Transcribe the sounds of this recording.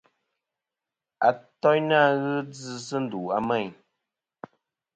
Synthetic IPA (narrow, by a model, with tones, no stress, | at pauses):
a˨tɔ˦jna˦˨ɣɨ˦d͡zɨ˧s̬ɨ˦n̩˦˨du˨a˦mɛ˦˨ɲ